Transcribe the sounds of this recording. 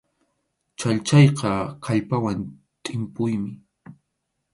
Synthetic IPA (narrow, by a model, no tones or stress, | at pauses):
t͡ʃaʎt͡ʃɑjqɑkʰaʎpawan | t̪ʼɪmpʊjmɪ